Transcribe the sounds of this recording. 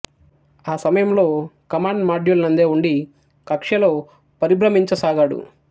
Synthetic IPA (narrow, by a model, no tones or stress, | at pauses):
aːsɐmɐjɐmlo̞ːkɐmaːɳɖmaːɖjulnɐnd̪eːuɳɖi | kɐkʂɐlo̞ː | pɐɾibɾɐmiɲt͡ʃɐsaːɡaːɽṵ